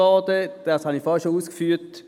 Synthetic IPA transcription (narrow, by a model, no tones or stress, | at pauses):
ɑːdəd̥ɑshɑnifɑʃouːskfyːt